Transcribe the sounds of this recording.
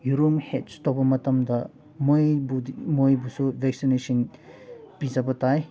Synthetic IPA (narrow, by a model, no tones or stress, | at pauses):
juɾumhet̚stobɐmɐtɐmdɐ | mojbumojbusubʱek̚sinesɔn | pizɐbɐtaj